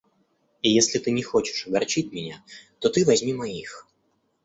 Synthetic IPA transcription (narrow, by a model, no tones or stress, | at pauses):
ijesʲlʲɪt̪ɨnʲɪxot͡ɕɪ̥ʂɐɡɐrt͡ɕitʲmʲɪnʲat̪ot̪ɨvɐzʲmʲimɐix